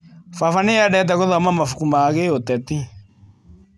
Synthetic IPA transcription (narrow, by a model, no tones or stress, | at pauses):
fafanejaɗɛt̬akoðamamafukumaɣeot̪ɛt̪i